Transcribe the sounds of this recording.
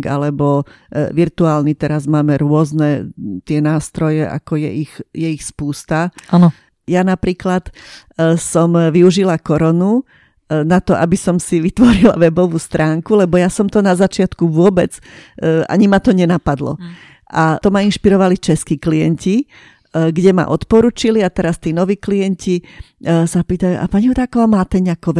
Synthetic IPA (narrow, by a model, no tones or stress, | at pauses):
ɡa̰lɛbɔ | ʋiɾt̪uaːlnit̪ɛɾazmaːmɛɾʊɔznɛt̪ɪɛnaːst̪ɾɔjɛa̰kɔjɛ̰ʔixjɛixspuːst̪aanɔ | janapɾiːklat̪ | sɔmʋiuʒilakɔɾɔnu | nat̪ɔʔabisɔmsiʋit̪ʋɔɾila̰ʋɛbɔʋuːst̪ɾaːŋkulɛbɔjasɔmt̪ɔnazat͡ʃɪat̪kuʋʊɔbɛd͡z | a̰ɲimat̪ɔɲɛnapad̪lɔ̰ | ʔat̪ɔmainʃpiɾɔʋalit͡ʃɛskiːklijɛnci | ɡɟɛma̰ʔɔt̪pɔɾuːt͡ʃiliat̪ɛɾast̪iːnɔʋiːklijɛɲci | sapiːt̪ajuʔa̰paɲiɦɔd̪aːkɔʋaːmaːt̪ɛɲɛakɔʋɛ